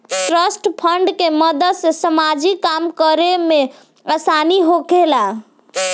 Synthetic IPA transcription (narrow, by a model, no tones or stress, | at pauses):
ʈɾəsʈpʰəɳɖkeməd̪əd̪sesəmad͡ʒikːamkəɾeme | asaniɦokela